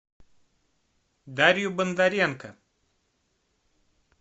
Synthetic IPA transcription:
d̪aɾjubənd̪aɾijankɐ̰

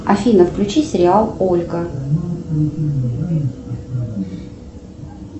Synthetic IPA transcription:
ɐfʲinəfklʲʉt͡ɕisʲɪɾʲɪalˠolʲɡə

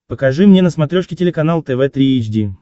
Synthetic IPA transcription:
pəkɐʐɨmnʲenəsmɐt̪ɾʲoʂkʲɪtʲɪlʲɪkɐnalˠt̪ɛvɛt̪ɾʲiet͡ɕdʲi

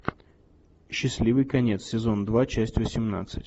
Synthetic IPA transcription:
ɕːɪsʲlʲivɨjkɐnʲet̪sʲɪzo̞nd̪vat͡ɕæsʲtʲvəsʲɪmna̰t̪sɨtʲ

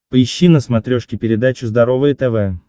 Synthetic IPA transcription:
pəɪɕːinəsmɐt̪ɾʲoʂkʲɪpʲɪɾʲɪd̪at͡ɕʊzd̪ɐɾo̞vəjət̪ɛvɛ

